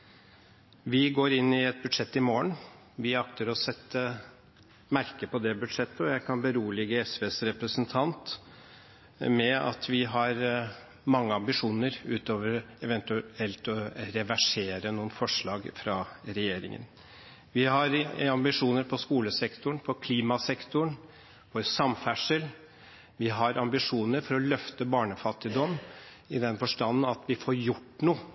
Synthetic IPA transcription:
ʋɪɡoːɾɪnːɪɛt̪̚bʉd̪ʂɛt̪ːɪmoːəɳ | ʋɪɑkt̪əɾɔsɛt̪ːə | mæɾkəpɔd̪ɛbʉd̪ʂɛt̪ːəɔjæɪkʰɑnbəɾuːlɪɡːəɛsʋeːsɾɛpɾəsənt̪ʰɑnt̪ | mɛɑ̰t̪ʰʋɪɦɑɾ | mɑŋːəɑmbɪʂuːnəɾʉːt̪oːʋəɾɛʋɛnt̪ʉɛlt̪ɔɾɛʋæʂeːɾənuːənfɔʂɭɑːɡfɾɑɾɛjeːɾɪ̰ŋə̰n | ʋɪhɑɾɑmbɪʂuːnəɾpʰɔskuːləsɛkt̪ʊɳpʰɔkʰliːmɑsɛkt̪ʊɳ | fɔɾsɑmfæʂəl | ʋɪɦɑɾɑmbɪʂuːnəɾfɔɾɔlœft̪əbɑːɳəfɑt̪ːɪd̪ɔm | ɪd̪ɛnfɔʂʈɑnːn̩ɑt̪ʋɪfɔːɾjʊʈːnuː

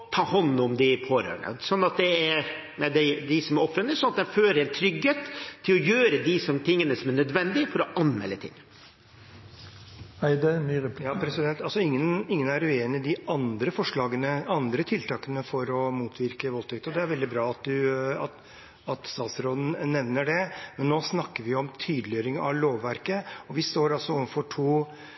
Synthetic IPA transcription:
t̪ʰɑːhɔnːɔmd̪ɪpʰoːɾø̰ːəɳə̰sɔnːɑt̪̚d̪ɛæɾ | mɛd̪ɛd̪ɪsɔmɾɔfɾənəsɔnɑt̪d̪ɛnføːɾəɾɛnt̪ʰɾʏɡheːt̪ʰːɪlɔjøːɾəd̪ɪsɔmt̪ʰɪŋːənəsɔmæɳnœd̪ʋɛnd̪ɪfɔɾɔʔɑnmɛ̰lːət̪ʰɪ̰ŋː | æɪd̪ɛmyːɾɛpjɑːpʰɾɛsɪd̪ɛnt̪ɑlsɔɪŋːənɪŋːənæɾʉeːnɪɪd̪ɪɑnd̪ɾəfɔʂɭɑːɡənəɑnd̪ɾət̪ʰɪlt̪ʰɑːkənəfɔɾɔmuːt̪ʰʋɪɾkəʋɔlt̪ʰɛk̚t̪ɔd̪ɛæɾʋɛld̪ɪbɾɑːɑt̪̚d̪ʉɑt̪ | ɑt̪st̪ɑːt̪sɾoːd̪n̩nɛʋnːəɖɛmɛnːoːsnɑkːəɾʋɪjʊɔmt̪ʰyːd̪əlɪøːɾɪŋɑ̰ʋloːʋːæɾkəɔʋɪst̪oːɾɑlsɔɔʋənfɔʈʰuː

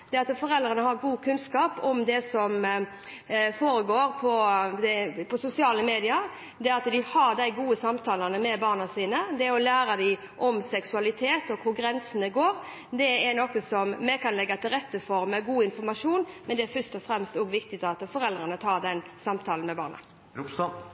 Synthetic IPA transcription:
d̪ɛɑt̪fɔɾɛld̪ɾənəhɑɾɡuːkʰʉnskɑːpɔmd̪ɛsɔm | foːɾəɡoːɾpʰɔd̪ɛpʰɔsʊsɪɑːləmeːd̪ɪɑɾ | d̪ɛɑt̪d̪ɪhɑɾd̪æɪɡuːəsɑmt̪ʰɑːlɑnəmɛbɑːʁnɑsiːnəd̪ɛɔlæːɾɑd̪ɪɪ | ʔɔmsɛksʉɑlɪt̪ʰeːt̪ɔkʰʊɾɡɾɛnsənəɡoːɾ | d̪ɛɛɾnɔkːəsɔmːɛkɑnlɛɡːɑt̪ʰɪlɾɛt̪ːəfɔɾmɛɡuːɪnfɔɾmɑʂuːnmɛnd̪ɛæɾfœʂt̪ɔfɾɛmst̪oːɡʋɪkt̪ɪt̪ɑt̪ːfɔɾɛld̪ɾənət̪ʰɑːɾd̪ɛnsɑmt̪ʰɑːln̩mɛbɑ̰ːʁnɑ̰

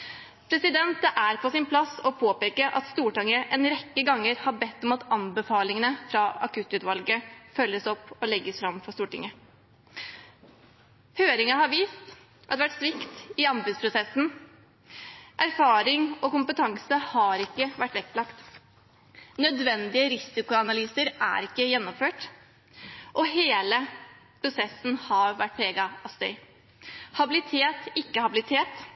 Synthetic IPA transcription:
pʰɾɛsɪd̪ɛnt̪əʔæɾpʰɔsɪnpʰlɑsɔpʰoːpeːkəʔɑ̰t̪st̪uːʈɑŋːəʔɛnɾɛkːəɡɑŋːəɾhɑɾbɛt̪ːɔmɑt̪ɑmbəfɑːlɪŋənəfɾɑɑ̰kʰʉt̪ːʉːt̪ʋɑlɡəfœlːəsɔpːɔlɛɡːəsfɾɑmfɔɾst̪uːʈɪ̰ŋːə | høːɾɪŋɑhɑɾʋiːst̪ | ʔɑd̪ɛʋæʈsʋɪkt̪ɪɑmbʉspʰɾʊsɛsn̩ | ʔæɾfɑːɾɪŋɔkʊmpət̪ʰɑŋsəhɑɾɪkːəʋæʈːʋɛkːlɑkt̪ | nœd̪ʋɛnd̪ɪəɾɪsɪkʊɑnɑlyːsəɾæ̰ɾɪkːəjɛnːɔmføːʈ | ʔɔɦeːlə | pʰɾʊsɛsːn̩hɑɾʋæʈ̚ːpʰɾeːɡɑɑst̪œ̰ʏ | hɑbɪlɪt̪ʰeːt̪ɪkːəhɑbɪlɪt̪ʰeːt̪

